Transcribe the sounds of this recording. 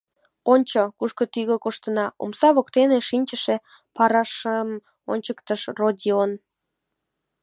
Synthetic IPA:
onʲt͡ɕokuʃkət̪yɣəkoʃt̪ənɑṵmsɑβokt̪eneʃinʲt͡ɕəʃe | pɑɾɑʃəm | o̰nʲt͡ɕəkt̪əʃrodʲion

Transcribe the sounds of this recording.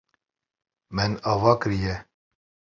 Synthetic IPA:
mɛnɑːvɑːkɨɾijɛ

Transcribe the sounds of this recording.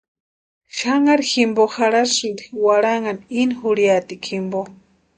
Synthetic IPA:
ʃaŋaɾiximboxaɽaʃind̪iwaɾaŋaninixuɽjat̪ikʰimbo

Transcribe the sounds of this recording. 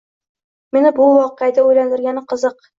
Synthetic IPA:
menɪbʊwɒqead̪aɵjland̪ɪ̆ɾɡʲænɪqɤ̆zɤq

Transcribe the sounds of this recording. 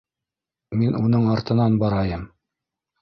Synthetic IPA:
minunɤɴɑɾt̪ɤ̆nɑnbɑɾɑjɤm

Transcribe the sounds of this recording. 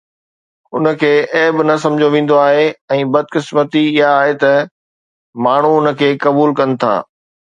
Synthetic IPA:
ʊnə̆kʰeːʔɛːbɪnɐsɐ̃md͡ʑʱoʋẽːn̆d̪oaːɦeɛ̃ːbɐd̪̚ʱkɪsmət̪iɪɦaːɦet̪ɐ | maːɳ̤uʊnə̆kʰeːkɐbuːlkɐnɪ̆t̪ʰa̰ː

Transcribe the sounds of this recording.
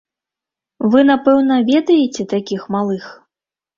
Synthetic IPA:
vɨnapɛwnɐvʲɛd̪ɐjɛt͡sʲɛt̪akʲixmalˠɨx

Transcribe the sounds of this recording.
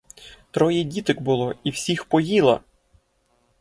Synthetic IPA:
t̪ɾɔjidʲit̪ɪkbʊlˠɔiwsʲixpɔjilˠɐ̰

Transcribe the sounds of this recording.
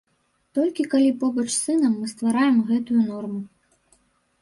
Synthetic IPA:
t̪ɔlʲkʲikalʲipɔbɐt͡ʂsɨnɐmːɨst̪vaɾajɛmɣɛt̪ujunɔrmu

